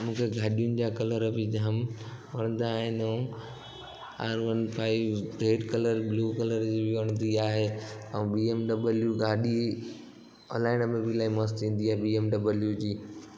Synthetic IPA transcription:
mũːkʰeɡʱaːɗijʊnɪ̆d͡ʑaːkɐləɾbɪd͡ʑɐɦəmʋɐñə̃nd̪aːɦɪñ | a̰ːɾʋənpʰaːɪʋɾeːɖkɐləɾbluːkɐləɾd͡ʑibɪʋɐɽ̃nd̪iaːɦeːɐ̃biːemɖɐbəljuɡʱaːɗi | ɔ̰ːlaːɪnəmẽbɪlaːimɐst̪ĩːn̆d̪iaːɦeɓiːemɖɐbəljud͡ʑiː

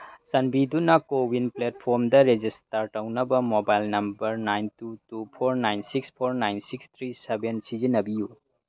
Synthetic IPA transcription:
sɐnbidunɐkowinplet̚pʰoɾmdɐɾed͡ʒistɐɾtɐwnɐbɐmobajlnɐmbɐɾnajntutupʰoɾnajnsikspʰoɾnajnsikst̪ʰɾisebensizinɐbiju

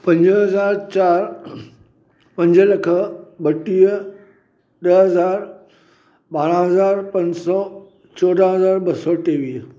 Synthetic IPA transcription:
pɐ̃ɲd͡ʑəɦɐzaːɾt͡ɕaːɾ | pɐ̃ɲd͡ʑəlɐkʰəbɐʈiːə | ɗəɦɐzaːɾ | ɓaːɽ̃ə̃ɦɐzaːɾpɐ̃ɲd͡ʑsɔː | t͡ɕɔɖ̪ãɦɐzaːɾbɐsɔːʈeːʋiː

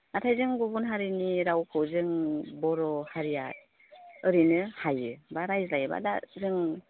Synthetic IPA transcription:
atʰajzɯŋɡubunɦaɾiniɾawkʰɯwzɯŋbɔɾɔhaɾijat̚ | ɯɾinɯhajɯbaɾajzlajɯba̰dazɯŋ

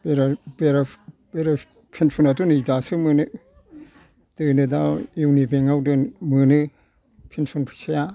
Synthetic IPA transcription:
beɾabeɾabeɾa | pʰinsʰunatunidasɯmɯnɯ | dɯnɯdajuwnibeŋawdɯnmɯnɯ | pʰinsunpʰɯ̥saja

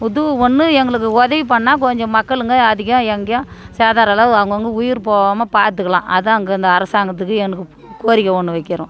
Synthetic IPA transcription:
ʊðɔɳːɯɛŋɡɐɭɯkːɯɔðɐʋipɐɳːaːk̬ɔɲd͡ʒɔ̃mɐkːɐɭɯŋɡɐɐðɪɣɐ̃ɛŋɡɐjɐ̃saːðaːɾɐlaɐʋɐŋɡɐŋɡɐʊjɪɾpoːʋamɐpaːɾt̪̬ɯkːɐɭã̰ːʔɐðɐŋɡɐɪnd̪ɐːɾɐsaːŋɡɐt̪̬ːɯkːɯɛnːɐkːɯ | koːɾɪkːɐɔɳːɯʋɐɪkːɪɾʊ̰̃

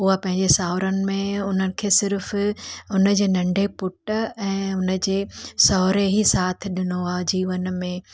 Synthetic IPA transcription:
ʊɦapɐ̃ɦɪ̃ɲd͡ʑesaːʋɾənɪ̆mẽʊnənɪ̆kʰeːsɪɾfʊnə̆d͡ʑeːnɐ̃ɳɖʱepʊʈɛ̃ːʊnə̆d͡ʑeːsɔɦɾeɦisaːt̪ʰɪ̆ɗɪnoaːd͡ʑiːʋənmẽ

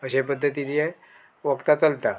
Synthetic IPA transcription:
əɕepəd̪ʱːət̪ilijɛ | ʋəkt̪at͡səlt̪a

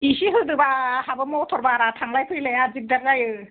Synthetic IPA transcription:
isiɦɯdɯbahabɯmɔtʰɔɾbaɾatʰaŋlajpʰɯjlejazik̚daɾzajɯ

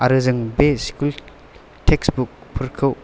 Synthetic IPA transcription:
aɾɯzɯŋbeskul | tʰeksbuk̚pʰuɾkʰɯw

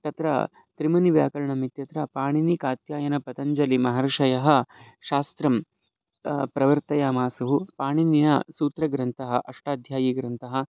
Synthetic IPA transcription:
t̪ɐt̪ɾɐ̰ | t̪ɾimɐniʋja̰ːkɐɾɐɳɐmit̪jɐt̪ɾɐpaːɳinikaːt̪jaːjɐnɐpɐt̪ɐɲd͡ʒɐlimɐɦɐɾʂɐjɐɦɐ̆ | ʃaːst̪ɾɐm | pɾɐʋɐɾt̪ɐjaːmaːsɐɦupaːɳinjɐ̰suːt̪ɾɐɡɾɐnt̪ɐɦɐʔɐʂʈaːd̪ʱjaːjiːɡɾɐnt̪ɐɦɐ̆

